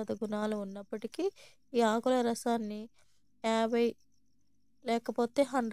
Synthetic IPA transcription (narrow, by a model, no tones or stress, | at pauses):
ɐd̪ɐɡunaːluːnːɐpːɐʈiki | iːaːkulɐɾɐsaːnːi | aːbɐj | lɛːkɐpo̞ːt̪e̞ːɦɐɳɖ